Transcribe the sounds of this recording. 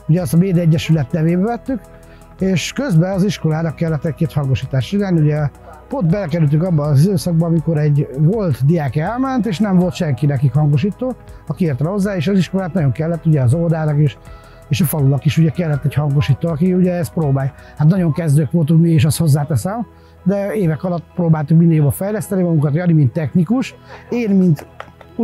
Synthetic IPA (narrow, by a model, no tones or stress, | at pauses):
uɟɛɒst̪ɒmeːd̪ɛɟːɛʃylɛt̪nɛveːbɛvɛt̪ːyk | eːʃkøzbɛɒziʃko̞laːnɒkːɛlːɛt̪ːɛc̚keːt̪hɒŋɡo̞ʃiːt̪aːʃt͡ʃinaːlniuɟɛ | po̞nt̪bɛlɛkɛɾylt̪yŋkɒbːɒɒzid̪øːsɒɡ̚bɒːmiko̞ɾɛɟvolt̪d̪ijaːkɛlmɛnt̪eːʃnɛɱvo̞lt̪ʃɛŋkinɛkikhɒŋɡoʃiːt̪oːɒkieːrt̪ɛho̞zːaːeːʃɒziʃko̞laːt̪nɒɟo̞ŋkɛlːɛt̪ːuɟɛɒzold̪aːnɒkeːʃ | eːʃɒfɒlulɒkiʃuɟɛkɛlːɛt̪ːɛchɒŋɡo̞ʃiːt̪ːoːɒkiuɟɛɛst̪pɾoːbaːj | hat̪nɒɟo̞ŋkɛzd̪øːkʋolt̪ukmiiːʃɑst̪ho̞zːaːt̪ɛsɛm | d̪ɛeːvɛkɒlɒt̪ːpɾoːbaːlt̪ukmind̪ɛjobɒfɛjlɛst̪ɛnimɒɡuŋkɒt̪jɒnimint̪ːɛxnikuʃeːnmint̪